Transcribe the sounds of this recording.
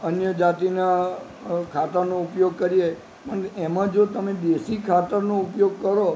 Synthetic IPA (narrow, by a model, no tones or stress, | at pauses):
ənjəd͡ʒat̪ina | kʰat̪əɾnoʊpjoɡ̚kəɾie | pəɳɛmãd͡ʒot̪əmẽd̪esikʰat̪əɾnoʊpjoɡ̚kəɾo